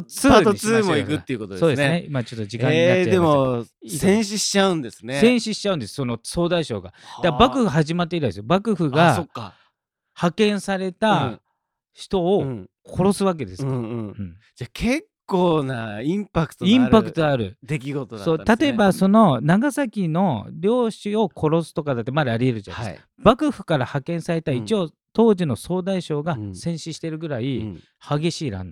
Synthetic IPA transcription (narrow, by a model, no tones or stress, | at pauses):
t͡sɨt͡sɨːmoikɯ̟tːeiɯ̟kot̪od̪so̞ːd̪esɨeneimat͡ɕo̞t̪ːoʑikãɲːinated̪emosẽɰ̃ɕiɕi̥t͡ɕaɯ̃nd̪e̞sɨnesẽ̞ɰ̃ɕiɕi̥t͡ɕaɯ̟̃nd̪esɨ̥so̞no̞so̞ːd̪aiɕo̞̰ːɡa̰d̪̥abakɯ̟ɸɯɦaʑimat̪ːeit̪aesɨjobakɯ̟ɸɯ̟ɡaokːa̰ | hakẽ̞ɰ̃saɾe̞t̪a | çi̥t̪o̞ː | kʰo̞ɾo̞sɨβak̬e̞d̪e̞sɨ̥kːɯ̟̃ɴ | d͡ʑakʰekːoːnaĩmpakɯ̥t̪oĩmpakkɯt̪oaɾɯ̟̰dd̪ek̬ʲiɡo̞t̪oso̞ːt̪at̪o̞ebaso̞no̞naɡasakʲino̞ɾʲo̞ːɕio̞kʰo̞ɾo̞sɨ̥t̪o̞kad̪at̪ːe̞maɾeaɾʲie̞ɾɯd͡ʑan̰as | bakɯ̟ɸɯ̟̥kaɾahakẽ̞ɰ̃saɾe̞t̪ait͡ɕio̞ː | t̪o̞ːʑino̞so̞ːd̪aiɕo̞ːɡasẽɰ̃ɕiɕi̥t̪e̞ɾɯ̟ɡɯ̟ɾai | haɡe̞ɕiːɾã̰nd̪